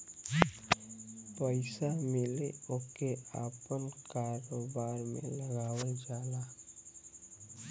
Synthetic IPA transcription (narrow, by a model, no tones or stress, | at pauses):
pəɪsamɪleokeaːpənkaːɾoːbaːɾmḛ̃ləɡaːwed͡ʒaːla